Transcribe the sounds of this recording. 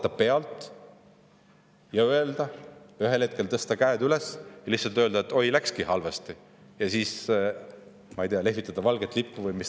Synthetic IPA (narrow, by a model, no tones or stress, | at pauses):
t̪ːɑpe̞ɑlt̪ˑ | jɑøe̞ld̪ɑyɦe̞lhe̞t̪̚kelt̪ɤst̪ɑkæed̪ylesjɑlihsɑlt̪øld̪ɑet̪ːˑo̞jlækskihɑlvɑst̪i | jɑsiːs | mɑejd̪eɑle̞ɦvit̪ːˑɑd̪̥ɑvɑlɡ̥et̪ːˑlipːuvɤjmis